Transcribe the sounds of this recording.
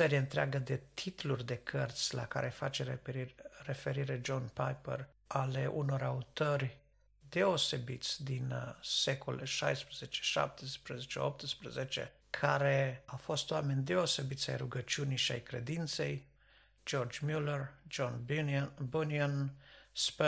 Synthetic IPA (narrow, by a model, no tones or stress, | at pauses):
se̞ɾijeɨnt̪ɾeaɡəd̪e̞t̪ʰit̪lurʲd̪e̞kʰərt̪sʲla̰ka̰ɾʔe̞fat͡ʃe̞ | re̞fe̞ɾiɾed͡ʒo̞npajpḛr | ale̞ʔuno̞ɾaut̪orʲ | d̪e̞o̞se̞bit̪sʲd̪inse̞ko̰leʃajspɾəze̞t͡ʃe̥ʃa̰p̚t̪espɾəzet͡ʃḛop̚t̪ɨspɾəze̞t͡ʃe̞̰ | kʰaɾe̞afo̞st̪oame̞nʲd̪e̞o̞se̞bit̪sʲa̰jruɡət͡ʃiuniʃia̰jkɾe̞̰d̪int̪se̞̰j | d͡ʒo̞rd͡ʒmulerd͡ʒonbuniansp